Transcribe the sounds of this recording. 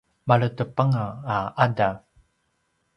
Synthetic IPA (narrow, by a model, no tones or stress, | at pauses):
maɭətəpaŋaːʔadav